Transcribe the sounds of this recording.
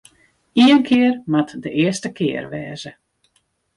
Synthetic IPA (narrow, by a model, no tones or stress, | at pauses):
iənkʰɪərmatdəʔɪəstəkɪərʋɛːzə